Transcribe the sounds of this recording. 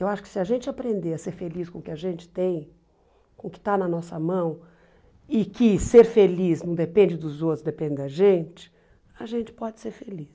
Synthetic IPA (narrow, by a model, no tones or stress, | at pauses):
ewaʃʊ̥kɪ̥sɪɐʒẽnt͡ʃɪapɾẽnd̪eɾɐseɾfeliskõʊkɪɐʒẽnt͡ʃɪ̥t̪ẽj̃ | kõʊkɪ̥t̪anɐnɔsɐmɐ̃w̃ | ɪkɪseɾfeliznɐ̃w̃d̪epẽnd͡ʒɪd̪ʊzot̪ɾʊzd̪epẽd͡ʒɪd̪ɐʒẽt͡ʃɪ̥ | ɐʒẽnt͡ʃɪ̥pɔd͡ʒɪ̥seɾfelis